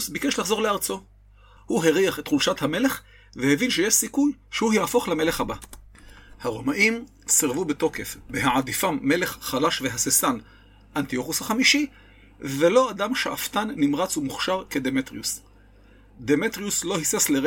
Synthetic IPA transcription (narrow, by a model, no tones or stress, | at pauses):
sbikeʃlaχzo̞ʁleaʁt͡so̞ | huɦeʁiaχet̪χulʃathame̞le̞χ | vehevinʃejeʃsikujʃehuhjafo̞χlameleχhaba | haʁo̞maʔim | siʁvubet̪o̞ke̞fbeɦaʕad̪ifamːe̞le̞χχalaʃveɦasesan | ʔant̪io̞χushaχamiʃi | velo̞adamʃeʔaft̪anːimʁat͡sumuχʃaʁked̪emet̪ʁius | d̪emet̪ʁiuslo̞hisesleʁ